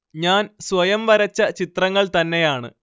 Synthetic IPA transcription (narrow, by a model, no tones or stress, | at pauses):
ɲaːnsʋɐjɐmʋɐɾɐt͡ɕːɐt͡ɕit̪rɐŋːɐɭt̪ɐnːe̞jaːɳɨ̰